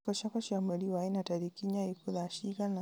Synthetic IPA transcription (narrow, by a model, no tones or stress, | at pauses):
kɔʃakɔʃamɛliwainataɾikiɲaikuðaʃikana